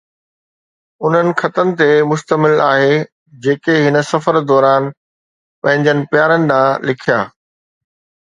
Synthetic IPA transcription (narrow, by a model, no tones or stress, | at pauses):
ʊn̤ənɪ̆xɐt̪ənɪ̆t̪emʊst̪əmɪlaːɦe | d͡ʑeːkeɦɪnə̆sɐfəɾd̪ɔːɾaːn | pɐ̃ɦɪ̃ɲd͡ʑənɪ̆pjaːɾənɪ̆d̪ãːlɪkʰijaː